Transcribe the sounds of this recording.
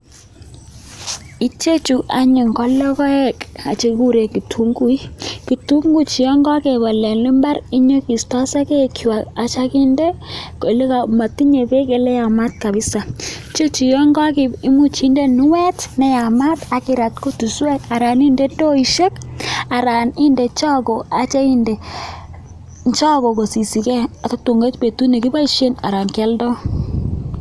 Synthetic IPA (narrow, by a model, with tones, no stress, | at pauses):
i˨˦t͡ʃe˦t͡ʃu˨ʔa˨ɲi˨ŋkɔ˦lːɔ˦kɔ˦ɛ˦ka˨t͡ʃe˨˦ku˦ɾe˨ki˨tʰu˨˦ŋɡu˦i˦ki˨tu˦ŋɡu˦t͡ʃi˨jɔ˦ŋɡɔ˦ke˨ba˨lɛ˨nli˦mba˦ɾi˦ɲo˦ki˨stɔ˦sa˦ke˦kʰa˨ka˨t͡ʃa˦ki˦nde˦ko˨le˦ka˨ma˨ti˦ɲe˨be˦ke˨lɛ˦ja˨ma˦t̚ka˨bi˦sa˨ | t͡ʃo˦t͡ʃi˨jɔ˦ŋɡa˦kɪ˨pɪ˦mu˦t͡ʃi˦nde˦nu˦wɛ˦tnɛ˦ja˨ma˦ta˨kɪ˦ɾa˨tko˦tu˨swɛ˦ka˨ɾa˨ni˦nde˦do˦i˨ʃe˦ka˨ɾa˨ni˦nde˨t͡ʃɔ˦ko˨a˨t͡ʃa˦i˦nde˨ | nt͡ʃa˦ɡo˨ko˨si˨si˨kɛ˦a˨ta˦tu˨ŋɡa˦t͡ʃpe˨tu˦ne˨ki˦ba˦iʃe˦na̰˨ɾa˨ŋkɛ˦ldɔ˦